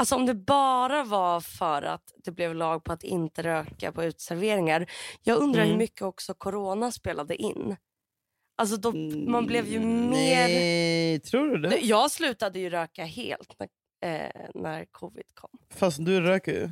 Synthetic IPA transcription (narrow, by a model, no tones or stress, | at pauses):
alsɔɔmd̪ɛbɑːɾavafœɾa̰t̪d̪̥ɛblɛvlɑːɡ̚pʰɔat̪ɪ̰nt̪əɾøːka̰pʰɔʉ̟ːt̪sæɾveːɾɪŋaɾjɑːɡɵnd̪ɾahʉmʏkːəɔksɔkʰʊɾoːnaspeːlad̪əʔɪnː | ʔals̬ɔd̪ɔmanblɛvjɵmeː | t̪ʰɾuːɖɵd̪ɛd̪jɑːɡslʉ̟ːt̪ad̪əjɵɾøːkahḛːlt̪næ̰ | næ̰ɾkʰɔvɪ̰d̪̥kʰɔmːfast̪d̪ɵɾøːkəɾj̰